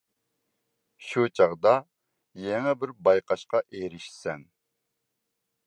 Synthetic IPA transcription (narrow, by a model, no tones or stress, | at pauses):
ʃut͡ʃʰɑʁd̪ɑ | jeŋɛbɪɾbɑjqɑʃqɑʔeɾɪʃsɛn